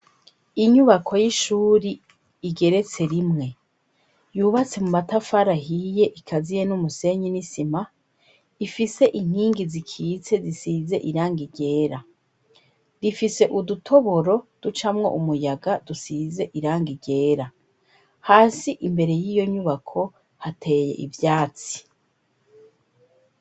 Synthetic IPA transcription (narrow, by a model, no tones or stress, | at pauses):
iɲuβakʰo̞jiʃuːɾi | iɡe̞ɾe̞t͡se̞ɾimŋe̞ | juːβat͡se̞mumatafaɾaɦije̞ʔikʰazijenumuse̞ɲinisima | ifise̞ʔiŋ̥hiːŋɡizikʰiːt͡se̞zisiːze̞̰ʔiɾaːŋɡiɟe̞ːɾa | difise̞ʔudutʰo̞βo̞ɾo̞d̥ut͡ʃamŋo̞̰ʔumujaɡadusize̞ʔiɾaːŋɡiɟe̞ːɾa | haːsiʔimbe̞ɾe̞jiːjo̞ɲuβakʰo̞ | hatʰe̞je̞̰ʔḭvjaːt͡si̥